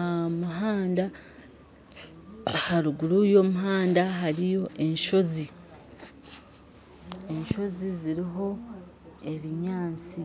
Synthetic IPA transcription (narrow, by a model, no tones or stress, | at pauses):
muɦaːnda | haɾuɡuɾujo̞ːmuɦaːndaɦaɾijo̞ʔe̞nʃo̞zi | e̞nʃo̞ziziɾiɦo̞ | e̞βiɲaːnt͡si